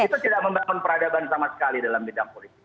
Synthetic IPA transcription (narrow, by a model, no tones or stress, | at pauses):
it̪ut̪idak̚məmbaŋʊnpəɾadabansamasə̥kalidalambidaŋpolit̪ɪk